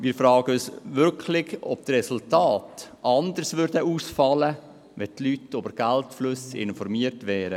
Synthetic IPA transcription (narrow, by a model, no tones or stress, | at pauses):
mɪːɾfɾɑːɡ̥əøsʋʏɾkʰlɪɡɔb̚tɾɛsultaːtʔɑnd̪əɾsʋʏɾdəuːsfɑlə | ʋɛtlytobəɾɡ̥æltflʉsɪ̰nfɔɾmiətʋɛːɾə